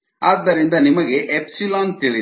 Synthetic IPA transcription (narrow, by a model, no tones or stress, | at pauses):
aːd̪ːɐɾind̪ɐnimɐɡe̞ʔepsilaːnt̪iɭi